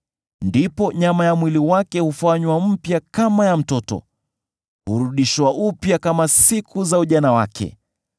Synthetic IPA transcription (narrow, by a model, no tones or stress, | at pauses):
ndipɔɲamajamwiliwakɛhufaɲwam̩pjakamajam̩tɔtɔ̰ | huɾuɗiʃwaʔupjakamasikʰuzauʄanawa̰kʰɛ̰